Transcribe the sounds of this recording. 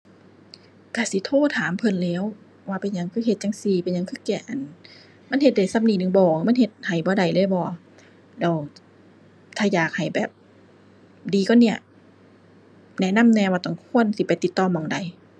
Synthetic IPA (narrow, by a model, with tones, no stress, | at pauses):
kaː˧˩si˧˦t̪ʰoː˧˥˨t̪ʰaː˨˦mpʰɤ˧˨nlɛː˧˥˨w | waː˧˩pa˨˩jɲa˧˦ŋkʰɯː˧˥˨he˧t̪̚t͡ɕa˧ŋsiː˧˩pa˨jɲa˧ŋkʰɯː˧˥˨kɛː˧˩ʔa˨˩n | ma˧˥˨nhe˧t̪̚da˨˩jsa˧˥p̚niː˧˩nɯ˧˨ŋbɔː˨˩ma˧˥˨nhe˧t̪̚ha˨˩jbɔː˧˦da˨˩jlɤː˧˥˨bɔː˧ | lɛː˧˩w | t̪ʰaː˧˩jaː˨˩k̚ha˨˩jbɛː˨˩p̚ | diː˨˧kɔː˧˨ni˧˩ə | nɛ˧˨na˧˥˨mnɛː˧waː˧t̪ɔ˧˩ŋkʰu˧˨ənsi˧˦pa˨jt̪i˨˧˦t̪ːɔː˧˨mɔː˧˩ŋda˨˩j